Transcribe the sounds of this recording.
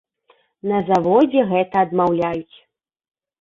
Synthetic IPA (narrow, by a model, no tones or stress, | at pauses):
nɐzavɔd͡zʲɛɣɛt̪ɐːd̪mawlʲajut͡sʲ